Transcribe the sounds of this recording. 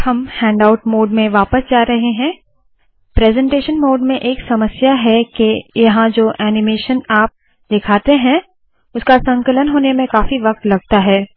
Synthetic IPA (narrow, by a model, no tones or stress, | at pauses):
hɐmhɛ̃ːɳɖaːʊʈmoːɖmẽʋaːpəsd͡ʒaːɾɐɦeɦɛ̃ː | pɾɛːzɛ̃ːɳʈeːʃənmoːɖmẽʔeːksɐməsjaɦɛkejɐɦãd͡ʒoːʔɛːnɪmeːʃənaːp̚ | d̪ɪkʰaːt̪eɦɛ̃ | ʊskasɐ̃ŋkələnɦoːnemẽkaːfiʋɐk̚t̪lɐɡ̚t̪aɦɛː